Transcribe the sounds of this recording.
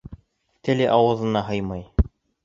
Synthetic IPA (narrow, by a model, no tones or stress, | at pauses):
t̪ɘ̆lɘʔɑwɤ̆ðɤ̆nɑɦɤjmɑj